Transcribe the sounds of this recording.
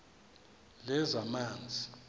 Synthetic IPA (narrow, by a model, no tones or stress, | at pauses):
lɛzamaːnd͡zʱi